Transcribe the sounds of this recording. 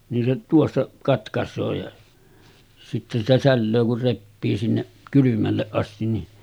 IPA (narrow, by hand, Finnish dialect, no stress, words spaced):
nin se tuosːɑ kɑtkɑsˑoː jɑ sitːe sitæ sælːøː kur repːiː sinːeʔ kylymælːeʔ ʔɑstin ni